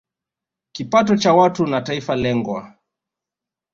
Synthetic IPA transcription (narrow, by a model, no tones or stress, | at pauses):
kipatɔt͡ʃawatunataifalɛŋɡwa̰